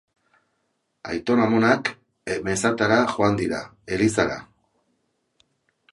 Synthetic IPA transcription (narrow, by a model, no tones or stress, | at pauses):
a̰jt̪o̞namo̞nak | eme̞sat̪aɾaʝoand̪iɾa̰ | e̞lisaɾa̰